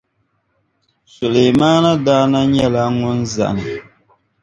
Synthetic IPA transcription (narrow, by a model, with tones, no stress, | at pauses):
sʊ˨le˨maː˦na˦daː˦na˦ɲɛ˦la˨˦ŋʊ˦nza̰˨nɨ˨